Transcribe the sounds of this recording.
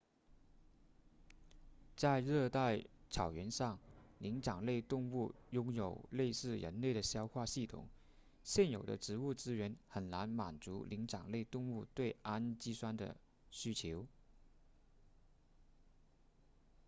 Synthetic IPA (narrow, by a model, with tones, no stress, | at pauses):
t͡sa˥˧ɪɻɤ˥˧t̪a˥˧ɪt͡sʰɑ˨˩ʊɥɛ˧˥nʂɑ˥˩ŋli˧˥ŋʈ͡ʂɑ˨˩ŋle˥˧ɪt̪ʊ˥˧ŋu˥˩jʊ˥ŋjo˨˩ʊle˥˧ɪsɹ̩˥˩ɻə̰˧˥nle˥˩ɪd̪ə˩ɕjɑ˥ʊxwa˥˧ɕi˥˩t̪ʰʊ̰˨˩˦ŋ | ɕjɛ˥˩njo˨˩ʊd̪ə̰˦ʈ͡ʂɻ̩˧˥u˥˩ʈ͡ʂɻ̩˥ɥɛ˧˥nxə˨˩nna˧˥nma˨˩nt͡su˧˥li˧˥ŋʈ͡ʂɑ˨˩ŋle˥˧ɪt̪ʊ˥˧ŋu˥˧t̪we˥˩ɪa˥nt͡ɕi˥swa˥nd̪ə̰˨˩ | ɕy˥t͡ɕʰjo˧˥ʊ